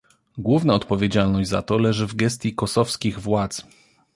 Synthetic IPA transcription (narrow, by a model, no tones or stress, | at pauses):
ɡwuvnaɔt̪pɔvʲjed͡ʑalnɔʑd͡ʑza̰t̪ɔlɛʐɘvɡɛs̬t̪ʲjikɔsɔfskʲiɣvwat̪s